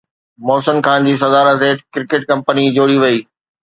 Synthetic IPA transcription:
mɔːsənkʰãːnd͡ʑiːs̬ɐd̪aːɾəseːʈkɪɾɪkɪʈkɐ̃mpənid͡ʑoːɽiʋɐiː

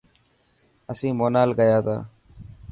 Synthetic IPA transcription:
əsĩːmoːnaːlɡəjaːt̪a̰ː

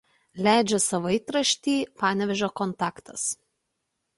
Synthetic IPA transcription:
lʲæˑɪd͡ʒʲɛsɐʋɐɪt̪ɾɐʃʲt̪ʲiːpɑːnʲɛʋʲɛʒʲoːkɔnt̪ɑːkt̪ɐs

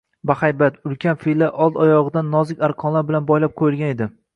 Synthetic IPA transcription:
baχajbat̪ʊlkʲʰanfilaʔɒlˠdt̪ɒjɒʁɨd̪anːɒzɪkʲaɾqʰɒnlaɾbɪlanbɒjlap̚qʰojɪlɡʲane̞d̪ɪ

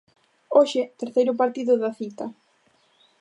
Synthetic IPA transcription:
oʃɪt̪eɾθejɾʊpaɾt̪iðʊðɐθit̪ɐ

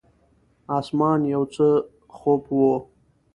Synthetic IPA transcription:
ɑsmɑːnjawt͡sə | xopwo

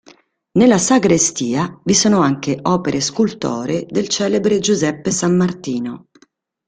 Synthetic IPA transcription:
nelːasaɡɾest̪iːavisoːnoaŋk̟eʔɔːpeɾʔeskult̪o̰ːɾed̪elt͡ʃɛːlebɾed͡ʒuzɛpːesamːart̪iːno

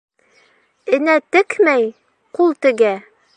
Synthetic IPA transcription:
ɘ̆næt̪ɘkmæj | qulˠt̪ɘ̆ɡæ

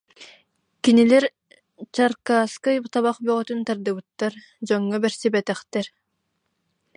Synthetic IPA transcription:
kinilɛɾ | t͡ɕaɾkaːskajbt̪aβaχbœʁɔt̪ynt̪aɾd̪ɯbɯt̪ːaɾ | d͡ʑɔŋːɔbɛɾsibɛt̪ɛχt̪ɛɾ

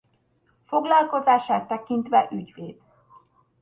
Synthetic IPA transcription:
fo̞ɡlɒlko̞zaːʃaːt̪ːɛkint̪ʋɛʔyɟʋeːd̪̥

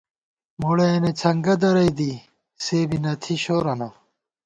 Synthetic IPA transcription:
moɽeenet͡sʰɐŋɡɐd̪ɐɾɐjd̪i | seːbinɐt̪ʰiɕoːɾɐnɐ

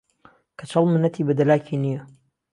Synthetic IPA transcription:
kʰɐt͡ʃʰɐlˠmɨnɐt̪ʰibɐd̪ɐlaːkʰiːnijɐ

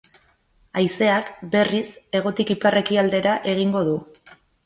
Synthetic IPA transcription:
ajse̞akbe̞rise̞ɣ̞o̞t̪ikiparʔe̞kiald̪e̞ɾaʔe̞ɣiŋɡo̞ðu

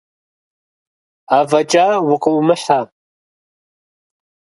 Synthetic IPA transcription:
aːvɐt͡ʃʼaːwʊqəwmɨħa

